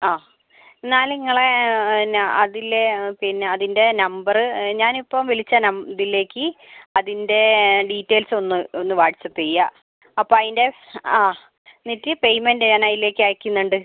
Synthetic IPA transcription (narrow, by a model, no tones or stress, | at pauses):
aː | enːaːliŋːɐɭe | ɐðilepinːeɐðinde̞nɐmbɐrɨɲaːnipːɐmʋilit͡ɕːɐnɐmðilːe̞ːkːɨɐðinde̞ɖiːtːeːlso̞nːɨonːɨʋaːɽit͡ɕːɐt̪ːejːɐ | ɐpːoːɐðinde̞aː | nitːipejmendɨɲaːnaːjile̞ːkːɨaːjikʲːunːuɳɖɨ